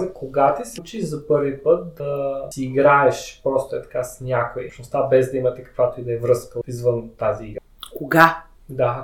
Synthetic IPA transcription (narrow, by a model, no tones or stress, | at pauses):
zɐkoɡat̪ɛsit͡ʃiʒzɐpɤɾvipət̪̚d̪ɐsiːɡɾaɛʃpɾɔst̪oɛt̪ɐ̥kasnʲakoḭpʃnost̪abɛzd̪ɐimɐt̪ɛkɐ̥kvat̪oid̪ɐɛvɾɤskəizvənt̪aziiɡɾ | koɡa | d̪a